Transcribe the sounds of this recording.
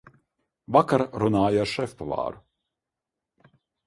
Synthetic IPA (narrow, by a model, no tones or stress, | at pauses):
vakaɾɾunaːjaaɾʃɛfpava̰ːɾu